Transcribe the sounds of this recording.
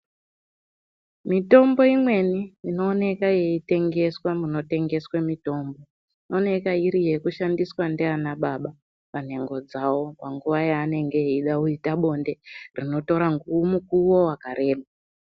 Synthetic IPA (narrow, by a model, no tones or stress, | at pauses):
mito̞mbo̞imwe̞niino̞ːne̞kaje̞ite̞ŋɡe̞swamuno̞te̞ŋɡe̞swemito̞ːmbo̞ | ino̞ne̞kaiɾije̞kuʃandiswandeanaɓaɓa | pane̞ŋɡo̞d͡zawo̞paŋɡuʋajaːne̞ŋɡe̞iɗauitaɓo̞nde̞rino̞to̞ɾaŋɡuumukuwo̞wakaɾe̞ːma